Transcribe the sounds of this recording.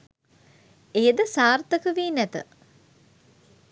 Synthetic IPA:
ejəd̪əsaːrt̪əkəʋiːnæt̪ə̰

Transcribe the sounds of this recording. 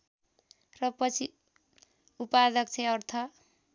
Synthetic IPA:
rʌpʌt͡sʰi | upad̪ʌk̚t͡sʰeʌrt̪ʰʌ

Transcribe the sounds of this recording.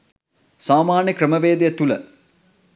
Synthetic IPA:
saːmaːnjəkɾəməʋeːd̪ijət̪ulə̰

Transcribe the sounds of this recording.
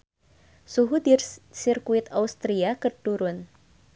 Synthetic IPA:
suɦud̪irsirkuɪt̪aust̪ɾiakərduɾʊn

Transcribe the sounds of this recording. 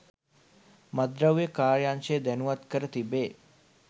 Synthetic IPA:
mɐd̪ɾəwjekaːɭjanʃed̪ɛnuʋat̪kəɾət̪ibeː

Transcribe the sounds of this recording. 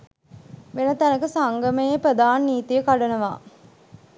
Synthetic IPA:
ʋenət̪ænɐkəsaŋɡəmejepɾəd̪aːnːiːt̪ijəkaɖɐnɐʋa̰ː

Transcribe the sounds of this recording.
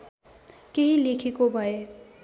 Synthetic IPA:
keɦilekʰekobʱəe

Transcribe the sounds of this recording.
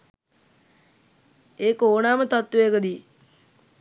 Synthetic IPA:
eːkoːnaːmət̪at̪ːuekəd̪i

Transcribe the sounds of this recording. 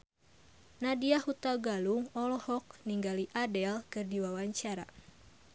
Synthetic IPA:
nadiahut̪aɡaluŋɔlɔhɔk̚niŋɡaliʔadɛlkɨrdiwawaɲt͡ʃaɾa

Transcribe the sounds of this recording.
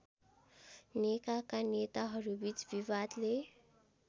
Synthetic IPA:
nekakanet̪aɦʌɾubit͡sbibad̪le

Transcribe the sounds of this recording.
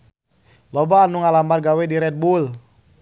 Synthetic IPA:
lɔbaːnuŋalambarɡawɛdiɾɛt̪̚bul

